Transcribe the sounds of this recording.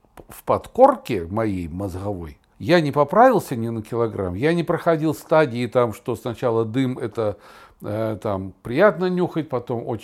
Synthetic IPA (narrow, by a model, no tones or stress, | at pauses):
fpɐt̪ko̞rkʲɪmɐjejmɐzɣɐvo̞̰j | janʲɪpɐpɾavʲɪlˠsʲənʲɪnəkʲɪlˠɐɡɾa̰mjanʲɪpɾəxɐdʲilˠst̪adʲɪːt̪amʂt̪o̞snɐt͡ɕalˠəd̪ɨmɛt̪ə | ət̪ampɾʲɪjat̪nənʲuxət̚ʲpɐt̪o̞mot͡ɕ